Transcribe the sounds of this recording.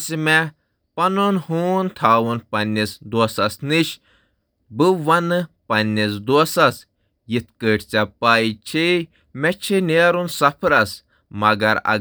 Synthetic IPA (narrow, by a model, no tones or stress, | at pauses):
simɛ | pɐnonhuːnt̪ʰaːwunpɐnʲːisd̪oːsɐsniʃ | bɨʋɐnɨpɐnʲːisd̪usɐs | jit̪kəːʈʰt͡sʲapaːit͡ʃʰi | mɛt͡ʃʰineːɾunsɐpʰɾɐs | mɐɡɐɾɐ̰